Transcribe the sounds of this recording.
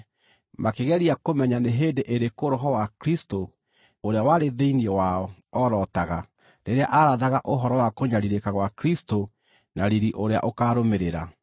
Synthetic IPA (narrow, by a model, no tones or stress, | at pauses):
makeɣɛɾiakomɛɲaneɦeːndeʔeɾekoɾɔɦɔwakɾisto | oɾeawaɾeðeiniɛwaɔɔɾɔtaɣa | ɾeɾeaʔaɾaðaɣaʔoɦɔɾɔwakoɲaɾiɾekaɣwakɾisto | naɾiɾiʔoɾea̰ʔokaːɾomeɾeɾa